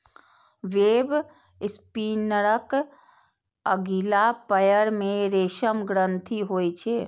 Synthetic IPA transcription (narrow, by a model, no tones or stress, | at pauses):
ʋeːb | spinəɾək | əɡilapəjəɾmeɾeːʃəmɡɾənt̪ʰiɦojt͡ʃʰe